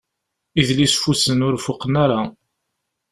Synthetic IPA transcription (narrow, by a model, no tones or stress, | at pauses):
iðlisfusənʊɾfʊqənaɾa